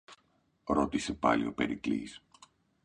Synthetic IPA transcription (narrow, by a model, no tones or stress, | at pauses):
ɾo̞t̪ise̞pɐ̰lḭo̞pe̞ɾiklḭs